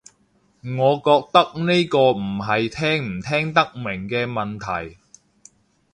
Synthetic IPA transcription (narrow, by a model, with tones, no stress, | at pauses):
ŋɔː˨˧kɔː˧k̚t̪ɐ˥k̚ne˥jkɔː˧m̩˨˩ɦɐ˨jt̪ʰɛː˥ŋm̩˨˩t̪ʰɛː˥ŋt̪ɐ˥k̚mɪ˨˩ŋkɛː˧mɐ˨nt̪ʰɐ˨˩j